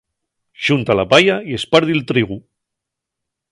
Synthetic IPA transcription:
ʒ̥unt̪alapajaiespaɾðilt̪ɾiɣu

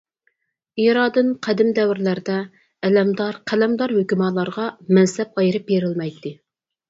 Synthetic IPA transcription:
ijɾɑːd̪ɨnqʰæd̪ɪmd̪ɛwɾlæɾd̪ɛ | ɛlɛmd̪ɑɾqʰælɛmd̪ɑɾhøkʲymɑlˠɑɾʁɑmɛnsɛp̚ɑjɾɨp̚beɾɪlmɛjt̪ʰːɪ

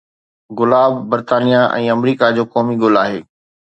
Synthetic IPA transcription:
ɡʊlaːbːɐɾt̪aːnijaʔɛ̰̃ːɐmɾiːkad͡ʑoːkɔːmiɡʊlaːɦeː

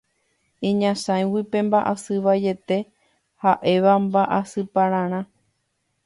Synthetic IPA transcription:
ĩɲãsãj̃wipẽ̞mbaʔasɨʋaje̞t̪e̞ | haʔe̞ʋambaʔasɨpaɾ̃ãɾ̃ã

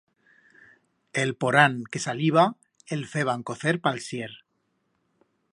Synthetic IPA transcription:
elpoɾaŋkesaliβ̞a | elfeβ̞aŋkoθeɾpalsjeɾ

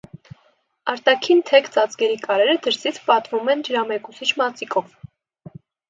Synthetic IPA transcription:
ɑɾt̪ɑkʰint̪ʰɛkt͡sɑt͡skɛɾikʼɑɾɛɾəd̪əɾsit͡sʰpɑt̪vumɛnd̪əɾɑmɛkusit͡ʃʰmɑt͡sikʰɔv

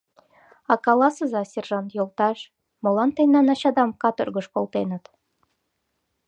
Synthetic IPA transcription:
ɑkɑlˠɑsəzɑsʲerʒɑnt̪jolˠt̪ɑʃ | mŏlɑnt̪enɑnɑɕɑd̪ɑmkɑt̪orɣə̆ʃkolˠt̪enə̆t̪

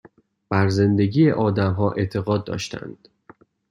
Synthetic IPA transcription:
b̥æɾze̞nd̪e̞ɟiːeʔɒːd̪æmɦɒːʔe̞̰t̪ʰe̞ɣɒːd̪̚ːɒ̰ːʃt̪ʰæ̰nd̪̥

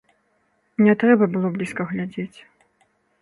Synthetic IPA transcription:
nʲɛt̪ɾɛbɐbɨlˠɔblʲiskɐɣlʲad͡zʲet͡sʲ

